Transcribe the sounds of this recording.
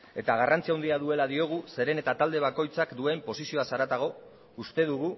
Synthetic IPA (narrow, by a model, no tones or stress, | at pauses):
e̞t̪aɣ̞arant͡siawnd̪iaðue̞laðio̞ɣ̞use̞ɾe̞ne̞t̪at̪ald̪e̞β̞ako̞jt͡sakd̪ue̞mpo̞sisio̞asaɾat̪aɣ̞o̞ | ust̪e̞ð̞uɣu